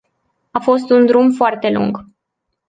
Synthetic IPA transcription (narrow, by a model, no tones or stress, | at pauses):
afo̞st̪und̪ɾumfoart̪e̞lṵŋɡ